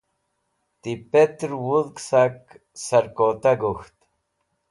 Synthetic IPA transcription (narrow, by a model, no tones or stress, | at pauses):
t̪ipet̪ɾwuðksak | sɐɾkot̪aɡuxt̪